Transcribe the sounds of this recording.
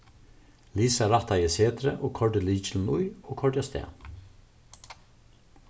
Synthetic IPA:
liːsɑɾɑt̪ɑjəseːd̪ɾəʔoːkʰɔɖəliːçɪlnʊʏoːkʰɔɖjɑst̪ḛː

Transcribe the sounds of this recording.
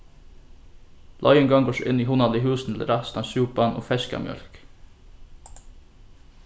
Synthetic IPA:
lʔɑʏɛŋɡɑŋɡoːʂʔɪniːhʊnɑd̪liːhʉːsn̩ɛlə̰ɾɑst̪ɑsʉːpɑnʔo̰ːfɛskɑ̰mjœ̰lk

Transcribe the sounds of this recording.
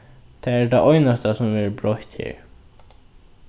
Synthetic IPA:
t̪ʰaɛɹd̪aʔɔjnast̪asʊmvɛɹbɾɔht̪hɪ̰ːɹ

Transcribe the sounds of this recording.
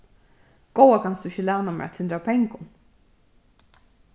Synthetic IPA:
ɡ̥owakʰansd̪ʊɪçəlæːnamɛ̰at̪sɪnd̪ɾapʰɛŋkʊn

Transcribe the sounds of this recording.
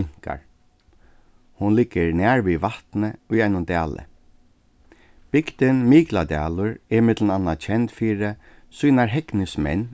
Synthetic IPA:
ŋ̥ka̰ɹ | hʊnlɪɡəɹnæːɹʋiʋaht̪nəʊjajnʊnt̪æːlə̰ | b̥ɪkt̪ɪnmiːklad̪ɛ̰ːlʊɹɛmɪt̪lnanːat͡ʃʰɛnt̪fiːɾɪ | suːnaɹɦɛknɪsmɛ̰nː

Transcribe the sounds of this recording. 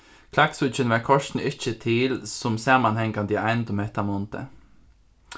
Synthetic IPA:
kʰlaksʉçənʋɑːkʰɔʂtn̩ɪçət̪ʰɪlsɔmsɑmɑnhɛŋɡand̪iːæɪnd̪ɔmɛt̪ɑmɔnt̪ə̰

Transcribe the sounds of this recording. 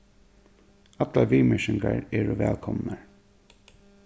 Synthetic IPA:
at̪laʋiːmɪʃɪŋkaɹɛːɹʊʋɛ̰ːlkʰɔmnaɹ

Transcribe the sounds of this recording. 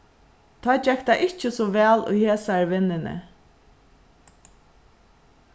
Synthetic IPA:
t̪ʰɔːt͡ʃɛkt̪aʔɪt͡ʃəsɔʋɛːlʊ̰jheːsaɾʋɪnːɪnɪ̰

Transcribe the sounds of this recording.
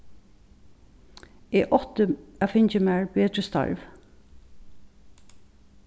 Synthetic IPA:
eːʔɔt̪əæfɪɲt͡ʃəmæːɹbeːt̪ɹəst̪ɑ̰ɹʋ

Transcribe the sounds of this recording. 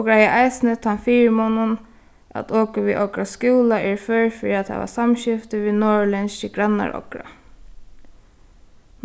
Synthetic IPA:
ɔkɹajaʔajsnɪt̪hanfiːɹɪmɔnʊn | a̰t̪ʰɔːkəʋiʔɔkɾaskuːlaʔɛɹfœɹfɪɹiat̪ʰːa̰ʋa̰samɕɪft̪ɪʋiːnɔːɹlɛnsɪɡɹanːa̰ɹʔɔ̰kɾa̰

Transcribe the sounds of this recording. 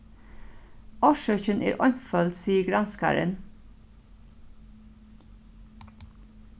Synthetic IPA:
ɔʃœçənʔḛːɾʔɔɲfœld̪siːəɡɾɑnskʰɑ̰ɾə̰n

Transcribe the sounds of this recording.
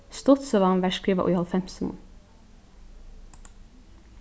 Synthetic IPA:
st̪ɔt̪sɔʋɑnʋæːʃkɾiːʋɑ̰ʔʊ̰ʏhɑlfɛmsmʊ̰n

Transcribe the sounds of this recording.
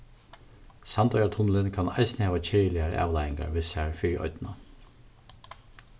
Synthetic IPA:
sɑnt̪œʏat̪ʰʊnlɪnkʰanɑɪsnəhɛːʋat͡ɕʰeːjəlɪaɾə̰ʔɑ̰ːʋlɑjɪŋɡa̰ɾʋɪsaɹfɪɾʔɔ̰ʏt̪na

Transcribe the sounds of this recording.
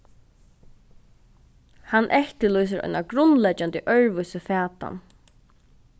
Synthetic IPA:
hanːʔɛht̪ɪlɔjs̬ɪɾɔ̰ʏnaɡɾʊnːlɛt͡ʃːant̪iʔœɹʋʊsəfæːt̪a̰n

